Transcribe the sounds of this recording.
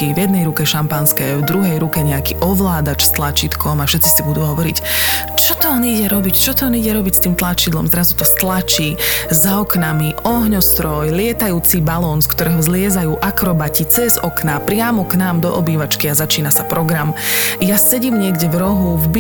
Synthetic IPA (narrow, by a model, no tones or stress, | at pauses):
ivjɛd̪nɛjɾukɛʃampanskɛvd̪ɾuɦɛjɾukɛɲɛakiːʔɔʋlaːd̪at͡ʃst̪lat͡ʃit̪kʰɔmafʃɛt̪t͡sisibud̪uːɦɔʋɔɾic | t͡ʃɔt̪ɔɔniɟɛɾɔbict͡ʃɔt̪ɔːniɟɛɾɔbicst̪iːmt̪lat͡ʃid̪lɔ̰mzɾazut̪ɔst̪lat͡ʃiːzaɔknamiɔɦɲɔst̪ɾɔjlɪɛt̪ajuːt͡sibalɔːnskt̪ɔɾɛːɦɔzlɪɛzajuːʔakɾɔbacit͡sɛzɔknapɾɪamɔknaːmd̪ɔʔɔbiːʋat͡ʃkiazat͡ʃiːnasapɾɔɡɾamjasɛɟiːmɲɪɛɡɟɛvɾɔɦuvb